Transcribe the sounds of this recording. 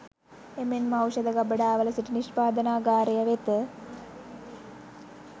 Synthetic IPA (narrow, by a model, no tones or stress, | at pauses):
emenmɐwʃɐd̪ɐɡɐbəɖaːʋɐlɐsiʈiniʃpaːd̪ɐnaːɡaːɾɐjɐʋet̪